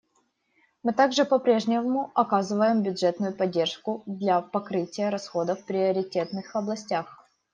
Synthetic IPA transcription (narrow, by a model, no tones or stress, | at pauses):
mɨt̪aɡʐɨpɐpɾʲe̞ʐnʲɪmʊɐkazɨvəjɪmbʲʊdʐɛt̪nʊjʊpɐdʲːerʂkʊd̪lʲɐpɐkɾɨtʲɪjəɾɐsxo̞d̪əfpɾʲɪɐɾʲɪtʲe̞t̪nɨxɐblˠɐsʲtʲax